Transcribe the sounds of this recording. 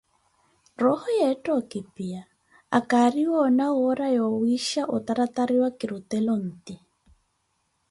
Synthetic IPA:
rɔhɔjɛtʼɔkipia | akariwɔnawɔɾajɔwiʃaʔɔt̪aɾat̪aɾiwakiɾut̪ɛlɔn̩ːt̪i

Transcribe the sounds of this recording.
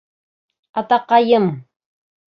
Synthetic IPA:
at̪ɑqɑjəm

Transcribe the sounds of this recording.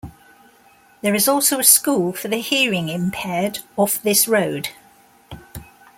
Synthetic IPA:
ðəɹɪzɔˑlˠsəʊəskuːlˠfəðəhɪəɹɪ̃ŋɪ̃mpʰɛːdɒfðɪsɹəʊd̥

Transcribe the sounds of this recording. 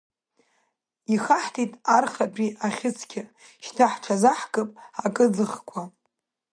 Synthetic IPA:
iχaħtʰitʼarχapʼiaχʲɪt͡sʰkʲʰɪʃtʰaħʈ͡ʂʰazaħkʼɨpʼakʼɨd͡zɨχkʷʰa

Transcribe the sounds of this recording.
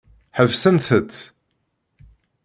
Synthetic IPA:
ħəvsənθət̪

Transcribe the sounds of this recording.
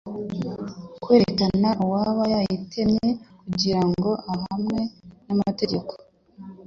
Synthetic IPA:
kwe̞ːɾeekanaʔuwaːβajajitʰemɲe̞kuɟiɾaŋɡo̞aɦamŋe̞namate̞ɟe̞ko̥

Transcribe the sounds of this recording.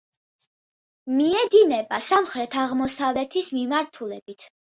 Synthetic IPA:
miɛd̪inɛbasamχɾɛt̪ʰaʁmɔsavlɛt̪ʰismimaɾt̪ʰulɛb̥it̪ʰ

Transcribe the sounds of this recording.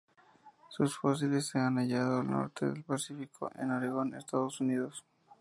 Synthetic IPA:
susfos̬ilesːeanaʝaðoalno̰ɾt̪ḛðḛlpasifikʰo̰ʔḛnaɾeɣo̞nḛst̪aðosuniðos

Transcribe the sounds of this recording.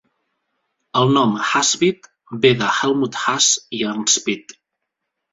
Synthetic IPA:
əlˠnɔmhazβit̪ | beðəxɛlˠmut̪xasianspit̪

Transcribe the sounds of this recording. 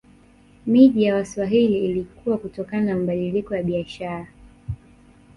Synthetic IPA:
miʄijawaswaɦiliːlikuwakutɔkananamaɓaɗilikɔjaɓiaʃaɾa

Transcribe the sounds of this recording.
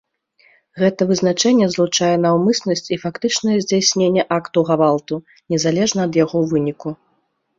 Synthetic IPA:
ɣɛt̪ɐvɨzn̪at͡ʂɛnʲːɛzlˠut͡ʂajɛnawmɨsnɐsʲt͡sʲifakt̪ɨt͡ʂnɐjɛzʲd͡zʲasʲnʲenʲːɛʔakt̪uɣavalˠt̪u | nʲɛzalʲɛʐnɐːd̪jaɣɔvɨnʲiku

